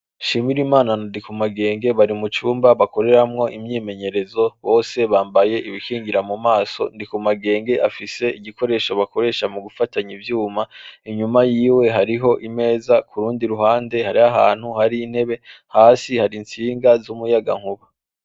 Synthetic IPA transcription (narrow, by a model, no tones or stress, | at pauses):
ʃiːmiɾimaːnanandikumaɡe̞ːŋɡe̞βaɾimut͡ʃuːmbaβako̞ɾe̞ɾamŋo̞ʔimɲiːme̞ɲe̞ɾe̞zo̞βo̞ːse̞βaːmbaje̞ʔiβikiːŋɡiɾamumaːso̞̰ndikumaɡe̞ːŋɡe̞ʔafise̞iɟiko̞ɾe̞ʃoβako̞ɾe̞ːʃamuɡufataɲivjuːmaiɲumajiːwe̞ɦaɾiɦo̞ʔime̞ːzakʰuɾuːndiɾuɦaːnde̞haɾiaɦa̰ːn̥huhaɾiːn̥he̞βe̞haːsihaɾint͡siːŋɡazumujaɡa̰ŋhuβa